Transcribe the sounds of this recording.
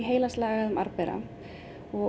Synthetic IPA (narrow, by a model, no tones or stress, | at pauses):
ɦeːjlast̪laːɣaðʏma̰ɾpɛɾa̰ | ɔ